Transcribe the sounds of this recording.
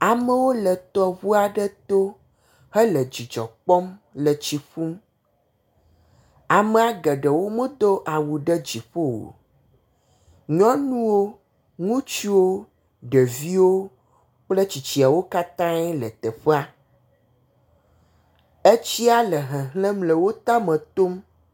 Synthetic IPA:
a˨mə˦wo˦lə˨t̪ɔ˦βu˦a˨ɖɛ˦t̪o˦ | hɛ˦lə˨d͡ʑi˨d͡ʒɔ̰˨k͡pɔ˦mlə˨t͡ɕi˨ɸu˦m | a˨me˦a˨ɡə˨ɖə˨wo˦mə˦d̪o˦ʔa˨wu˨ɖə˦d͡ʑi˨ɸo˦wo̰˨ | ɲɔ̃˦nũ˦wo˦ | ŋũ˦t͡ɕi˦wo˦ | ɖɛ˨vi˦wo˦ | k͡ple˦t͡ɕi˨t͡ɕi˨a˨wo˦ka˦t̪ã˦ɛ˦lɛ˨t̪ɛ˨ɸe˦a˦ | e˦t͡ɕi˦a˦lɛ˨ɦɛ̃˨ɦlɛ̃˦mlə˨wo˦t̪a˦mɛ̃˨t̪o˦m

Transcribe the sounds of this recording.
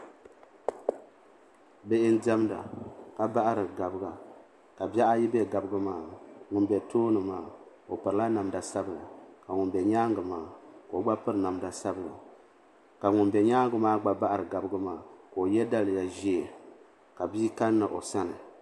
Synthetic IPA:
bɛ˦ʔɪ˦n˦dɛ˦m˦da̰˨ka˨ba˦ʔa˦ɾɨ˨ɡa˨bɨ˦ɡa˨ | ka˨bjɛ˦ʔa˦ji˦bɛ˦ɡa˨bɨ˦ɡɨ˦maː˦ŋʊ˨nbɛ˨toː˦nɨ˨maː˨ko˨pɨ˨ɾɨ˨la˦na˨mda˨sa˦bɨ˨ɾɨ̰˨ka˨ŋʊ˨nbɛ˨ɲaː˦ŋɡɨ˨maː˨˦ko˨o˨ɡ͡ba˦pɨ˦ɾɨ˨na˨mda˨sa˦bɨ˨ɾɨ̰˨ | ka˨ŋʊ˨nbɛ˨ɲaː˦ŋɡɨ˨maː˦ɡ͡ba˨ba˦ʔa˦ɾɨ˨ɡa˨bɨ˦ɡɨ˦maː˨ko˨o˨jɛ˦da˦lɨ˨ja˨ʒi˦e˨ | ka˨biː˦ka˦nːa˨ʔo˨sa˦nɨ˨

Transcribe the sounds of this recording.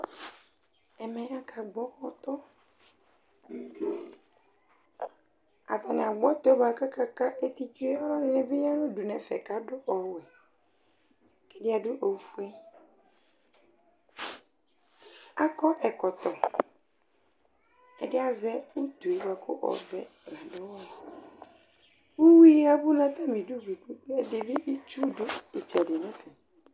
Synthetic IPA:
ɛ˨mɛ̃˨a˨kʰa˨ɡ͡bɔ˦ɔ˨t̪ɔ˦ | a̰˨t̪a˨nɪ˨a˨ɡ͡bɔ˦t̪ɔ˦ba˨ka˦ka˦ka˦ʔe˦t̪i˦t͡ʃu˦e˦ɔ˦lɔ˦dɪ˨nɛ˨be˦ja˦nʊ̃˦du˨nɛ̃˨fɛ̰˨ka˦ɖʊ˦ʔɔ˨wɛ˨ | kɛ˦dɪ˦a˨ɖʊ˦ʔo˨fu˦ɛ˦ | a˦kɔ˦ʔɛ˨kɔ˨t̪ɔ˨ | ɛ̰˨dɪ˦a˦zɛ˦u˦t̪u˨e˨wa˨kʰʊ̰˦ʔɔ̰˨bɛ̰˨lã˨dʊ˦wɛ˨ | u˦wi˦a˨bʊ˦nã˦t̪a˦mĩ˨du˦ɡ͡bi˨k͡pu˦ɛ˨dɪ˨bɪ˦ʔi˦t͡ʃu˦dʊ˦i˨t͡ʃɛ˨ɖɪ˨nɛ̃˨˦fɛ˨

